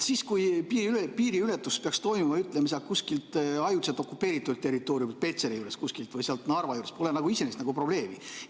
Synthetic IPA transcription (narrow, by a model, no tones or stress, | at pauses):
siːskujpiːilepiːɾiylet̪ːˑuspeɑkst̪o̞jmumɑyt̪ːˑlems̬ɑkuskilt̪ɑjut̪set̪ːˑo̞kːupːˑe̞ːɾit̪ːˑult̪ːe̞rit̪ːˑo̞ːɾjumit̪̚pe̞t̪seɾijuːɾe̞skuskilt̪vɯjseɑlt̪nɑrvɑjuːɾespo̞lenɑɡuise̞nest̪nɑɡupro̞b̥le̞ːmi